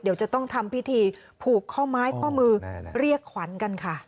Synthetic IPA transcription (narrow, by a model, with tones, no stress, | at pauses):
diː˨˦əwt͡ɕa˨˩t̪ɔ˥˩ŋt̪ʰa˧mpʰi˥˩t̪ʰiː˧ | pʰuː˨˩kʰːɔː˥˩maː˦˥jkʰɔː˥˩mɯː˧ɾi˥˩əkʰːwa˩˦nka˧nkʰa˥˩